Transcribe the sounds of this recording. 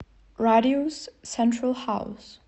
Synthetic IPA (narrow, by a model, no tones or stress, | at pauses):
ɹaɾioz̥sɛ̃ntɹəlhaʊs